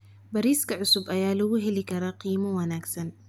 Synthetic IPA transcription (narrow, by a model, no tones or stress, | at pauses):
bɐɾiːskʰɐʕʊsʊbɐjaːlɐɣʊɦɛlɪkʰɐɾaqiːmɐwɐnaːɡsɐn